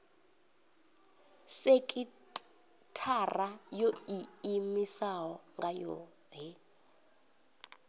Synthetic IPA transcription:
sekʼi | tʰarajoiimisaɦɔŋɡajɔ̰ | ɦɛ

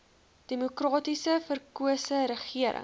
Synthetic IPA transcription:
d̥emukrɑːtisəfərkuəsəɾəχiəɾʔə̰

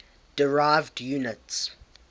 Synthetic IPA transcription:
d̥əɹaɪvdjuːnəts

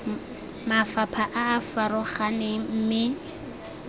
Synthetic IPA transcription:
mafapʰaʔaːfaɾʊχanɪm̩mɪ

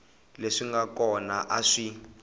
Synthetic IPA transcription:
leʂiŋɡakɔnaʔaʂi

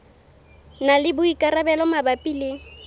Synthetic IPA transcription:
nalɪbʊikʼaɾabɛlɔmabapʼileːŋ̩

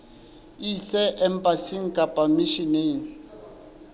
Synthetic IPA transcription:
isɛʔɛm̩pʼasiŋ̩kʼapʼamiʃineːŋ̩

